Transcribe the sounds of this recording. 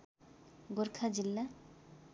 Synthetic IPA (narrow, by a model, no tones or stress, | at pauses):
ɡoɾkʰad͡ʑilːa